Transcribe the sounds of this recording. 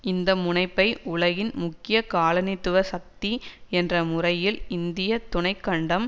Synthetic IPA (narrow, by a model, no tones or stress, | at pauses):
ɪnd̪ɐmʊɳɐɪpːɐɪʊɭɐɣɪnmʊkːɪjɐkaːɭɐnɪt̪ːɯʋɐsɐk̚t̪iɛndrɐmʊrɐjɪlɪnd̪ɪjɐt̪ːʊɳɐɪkːɐɳɖɐm